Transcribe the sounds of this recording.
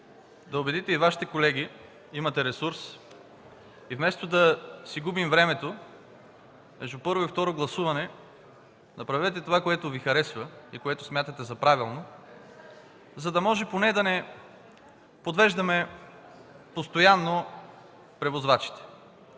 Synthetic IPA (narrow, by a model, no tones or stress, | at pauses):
d̪ɐobɛd̪it̪ɛivaʃi̥t̪ɛkolɛɡi | imɐt̪ɛɾɛsuɾs | ivmɛst̪od̪ɐsiɡubimvɾɛmɛt̪o | mɛʒd̪upɤɾvoift̪ɔɾoɡlˠɐsuvɐnɛ | nɐpɾɐvɛt̪ɛt̪ovakoɛt̪ovixɐɾɛsvɐikoɛt̪ʊsmʲjat̪ət̪ɛzɐpɾavilˠno | zɐd̪ɐmɔʒɛponɛd̪ɐnɛ | pod̪vɛʒd̪ɐmɛ | post̪ojanːo | pɾɛvozvat͡ʃi̥t̪ɛ̥